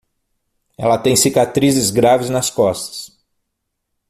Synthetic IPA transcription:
ɛ̰lɐt̪ẽj̃sikat̪ɾizɪzɡɾavɪznɐskɔst̪ɐ̥s

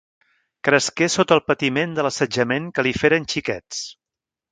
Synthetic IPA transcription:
kɾəskesot̪əlˠpət̪imend̪ələsəd͡ʒəmeŋkəlifeɾənʲt͡ʃikɛ̰t͡s

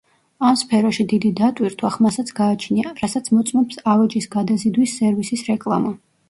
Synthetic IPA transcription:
amspʰɛɾɔʃid̪id̪id̪at̪ʼwiɾt̪ʰwaχmasat̪sʰɡaːt͡ʃʰniaɾasat̪sʰmɔt̪sʼmɔpsavɛd͡ʒisɡad̪azid̪wisːɛɾvisisɾɛkʼlˠa̰ma

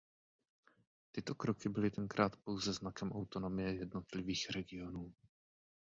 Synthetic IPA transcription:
t̪ɪt̪o̞kɾokɪbɪlɪt̪ɛŋkɾaːt̪po̞wzɛznakɛmʔawt̪ono̞mɪjɛjɛdno̞t̪lɪviːxɾɛɡɪo̞nuː

